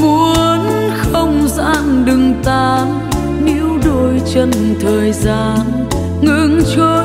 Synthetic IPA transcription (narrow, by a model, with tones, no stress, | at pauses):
mu˧˦əənxə˧wŋ͡mza̰ː˧˥nɗɨ˨˩ŋt̪aː˧˩n | ne˧˦wɗo˧˩jt͡ɕə˧nt̪ʰəː˨˩jzaː˧˩n | ŋɨ̰˧˥ŋt͡ɕo˧˦